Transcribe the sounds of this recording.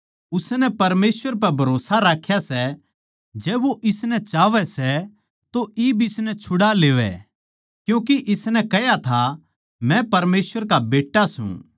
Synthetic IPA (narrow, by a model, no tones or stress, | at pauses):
ʊsnɛpɐɾmeːsʋəɾp̬ɛbʱɐɾoːsaɾaːkʰːjasɛ | d͡ʒɛːʋoʔɪsnɛt͡ʃaːʋɛsɛ | t̪oibʱɪsnɛt͡ʃʰʊɽaleːʋɛ̰ | kjũːk̬iʔɪsnɛ̃kɛjat̪ʰa | mɛ̃pɐɾmeːsʋəɾkabeːʈːasṵ̃